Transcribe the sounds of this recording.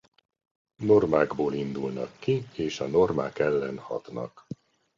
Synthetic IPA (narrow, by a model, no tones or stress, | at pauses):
no̞rmaːɡboːlind̪ulnɒ̰kːieːʃɒno̞rma̰ːkɛlːɛnhɒt̪nɒ̰k